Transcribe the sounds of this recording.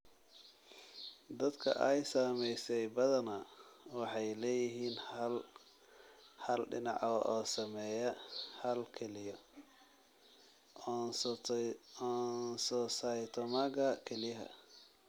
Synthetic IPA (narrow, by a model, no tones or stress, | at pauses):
d̪ɐd̪kʰɐ̰ʔɛjsaːmɛjsɛjbɐðɐnɐwɑħɑjlɛːjɪɦiːnl | hɐlɖɪ̰nɑ̰ʕɔ̰ʔɔːsɐmɛːjɐhɐlkʰɛlɪjɔ | nsɔsɐjt̪ʰɔmaɡɐkʰɛlijɦɐ̰